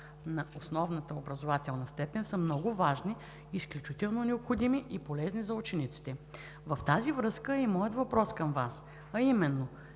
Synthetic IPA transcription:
nɐosnɔvnət̪əobɾɐzovat̪ɛlˠnɐst̪ɛpɛnsɐmnɔɡʊvaʒniː | sklʲut͡ʃit̪ɛlˠnonɛopxod̪imiʔipolɛznizɐut͡ʃɛnit̪si̥t̪ɛ | vɐft̪azivɾɤskəimɔjət̪vɐpɾɔskɐmvas | ɐimɛnːo

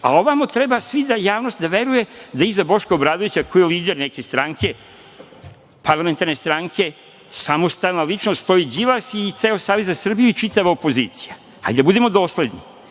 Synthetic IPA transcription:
a̰oʋamot̪ɾe̞basʋid̪ajaːʋno̞st̪d̪aʋe̞ɾuje̞d̪aizabo̞ʃkoobɾaːd̪oʋit͡ɕakojiliːd̪eɾneke̞st̪ɾaŋkʰe̞ | paɾlˠame̞nt̪aɾne̞st̪ɾaŋkʰe̞ | samo̞st̪alnalit͡ʃnost̪st̪o̞id͡ʑilasit̪seːosaːʋe̞zzasr̩bijuit͡ʃit̪aʋaopo̞zḭːt̪si̥ja | ha̰jid̪abud̪emo̞d̪o̞ːsle̞d̪ɲi

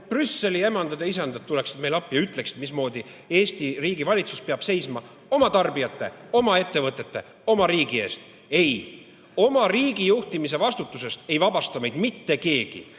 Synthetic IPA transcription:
prysːe̞lie̞mɑnd̪̥ɑd̪e̞is̬ɑnd̪ɑt̪ːule̞ksi̥d̪me̞jlɑpːˑjɑyt̪ˑle̞ksi̥t̪mismo̞ːd̪i | e̞ːst̪iriːɡivɑlʲit̪suspeɑb̥se̞jsmɑ | o̞mɑt̪ɑrbijɑt̪ːˑe̞o̞mɑe̞t̪ːe̞vɤt̪ˑːe̞t̪ːe̞̰ | o̞mɑɾiːɡie̞ːst̪ | e̞j | o̞mɑriːɡ̥ijuht̪imis̬e̞vɑst̪ut̪ːˑus̬e̞st̪e̞jvɑbɑst̪ɑme̞jd̪̥mit̪ːe̞ke̞ːɡ̥ḭ

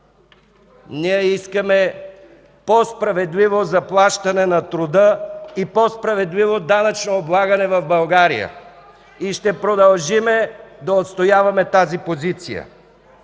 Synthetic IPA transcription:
niɛiskɐmɛ | pospɾɐvɛd̪livozɐplˠaʃt̪ɐnɛnɐt̪ɾʊd̪əipɔspɾɐvɛd̪livod̪anɐt͡ʃnoːblˠaɡɐnɛvɐvbɐlˠɡaɾḭjə̰ | iʃt̪ɛpɾod̪ɐlˠʒimɛd̪ɐot̪st̪ojavɐmɛt̪azipozit̪sijə̰

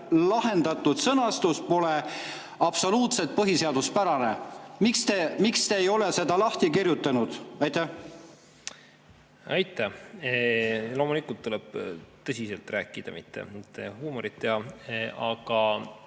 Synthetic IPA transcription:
lɑɦe̞nd̪ɑt̪ːˑud̪sɤnɑst̪uspo̞le | ɑb̥so̞luːt̪se̞t̪̚pɤɦise̞ɑd̪̥uspæɾɑne̞mikst̪emikst̪eːjo̞lese̞d̪ɑlɑht̪ikirjut̪ːˑɑnud̪̥ɑjt̪ˑæh | ɑ̰jt̪ːˑæh | lo̞ːmulikːˑult̪ːuleb̥t̪ɤsʲiselt̪ræːkːˑid̪̥ɑ̰mit̪ːḛt̪ːehuːmoɾit̪ːeɑɑɡ̥ɑ

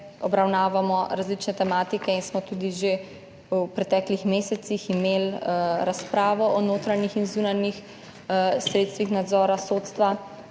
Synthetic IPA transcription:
ɔbɾawnaːʋamɔɾazlit͡ʃnɛt̪ɛmaːt̪ikɛinsmɔt̪ud̪iʒe | upɾɛt̪ɛːklixmeːsɛt̪siximelɾaspɾaːʋɔɔnoːt̪ɾanixinzuːnanix | sɾeːt̪st̪ʋixnad̪zɔːɾasoːt̪st̪ʋa

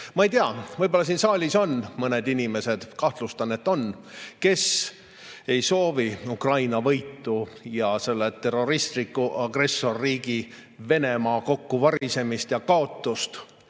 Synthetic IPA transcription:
mɑejt̪eɑvɤjb̥olːɑsiːnsɑːlʲiso̞nmɤned̪inʲime̞se̞d̪̥kɑht̪lust̪ɑnet̪ːˑo̞nke̞s | e̞jso̞ːviukrɑjnɑvɤjt̪ːˑujɑse̞lːet̪ːe̞rːo̞ɾist̪likːˑuʔɑɡre̞sːo̞rːiːɡ̥ive̞ne̞mɑːko̞kːuvɑɾise̞mist̪jɑkɑo̞t̪ːˑust̪

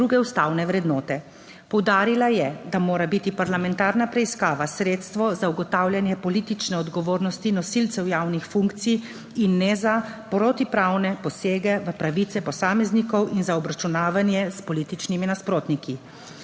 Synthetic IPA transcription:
d̪ɾuɡɛust̪aːwnɛʋɾɛd̪nɔːt̪ɛ | pɔwd̪aːɾilajɛd̪amoːɾabit̪ipaɾlamɛnt̪aːɾnapɾɛiskaːʋasɾeːt̪st̪ʋɔzauɡɔt̪awlʲjanjɛpɔlit̪it͡ʃnɛɔd̪ɡɔʋoːɾnɔst̪inɔsilt̪sɛwjaːwnixfuŋkt̪sij | inːɛzapɾɔt̪ipɾawnɛpɔseːɡɛʋəpɾaʋit̪sɛpɔsaːmɛznikɔwʔinzaɔbɾat͡ʃunaːʋanjɛspɔliːt̪it͡ʃniminaspɾoːt̪niki

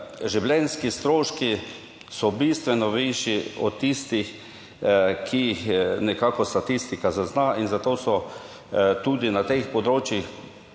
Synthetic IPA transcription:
ʒiwlɛnskist̪ɾoːʃki | sɔbist̪ʋɛnɔʋiʃjiɔ̰t̪ːist̪ix | kʰiixnɛkakɔst̪at̪ist̪ikazaznainzat̪oːsɔ | t̪ud̪inat̪expɔd̪ɾoːt͡ʃjix

